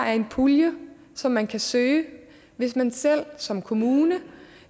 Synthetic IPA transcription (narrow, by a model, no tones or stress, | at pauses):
æɐe̝npʰuljə | sɒ̽mːænkʰæsøː | ʋe̝smænsel̰sɒ̽mkʰo̝muːnə